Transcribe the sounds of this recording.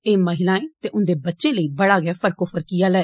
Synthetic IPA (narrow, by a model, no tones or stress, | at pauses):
eːməɦɪlaːĩːt̪eːʔʊnd̪eːbətːʃẽːləiːbəɽaːɡɛːfʰəɾkofʰəɾkijaːlɛː